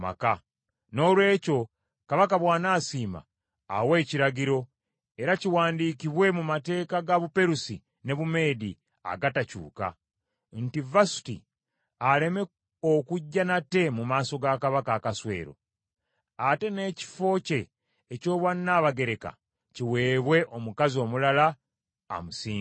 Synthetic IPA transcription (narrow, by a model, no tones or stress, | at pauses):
ma̰ka | no̞ːlwe̞ːco̞ | kaβakaβwaːnaːsiːma̰ː | we̞ːciɾaɡiɾo̞ | e̞ɾaciwaːndiːkiβwe̞mumate̞ːkaɡaβupe̞ɾusi | ne̞βume̞ːdi | a̰ɡatacṵːka̰ | n̩tivasi̥tḭ | ale̞me̞ | okuɟːanate̞mumaːso̞ɡakaβakaːkaswe̞̰ːɾo̞̰ | ate̞ne̞ːci̥fo̞ːce̞ː | co̞ːβwanːaβaɡe̞ɾe̞ka̰ | ciwe̞ːβwe̞ʔo̞mukazio̞ːmulala | a̰musiː